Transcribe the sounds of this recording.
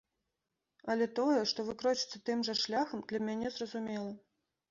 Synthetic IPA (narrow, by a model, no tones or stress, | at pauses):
ɐlʲɛt̪ɔjɛʂt̪ɔvɨkɾɔt͡ʃɨt̪sːɐt̪ɨmʐɐʂlʲaxɐmd̪lʲɐmʲanʲɛzrɐzumʲɛlˠɐ